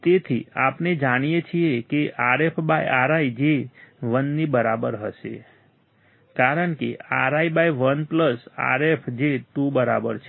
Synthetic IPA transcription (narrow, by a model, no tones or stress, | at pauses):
t̪et̪ʰiaːpned͡ʒaɽ̃ijet͡ʃʰijekeʔaɾepʰbaiaɾaid͡ʒeʋənːibəɾabəɾɦəsḛ | kaɾənkḛaɾaibaiʋənpləsa̰ɾepʰd͡ʒet̪ubəɾa̰bə̰ɾt͡ʃʰ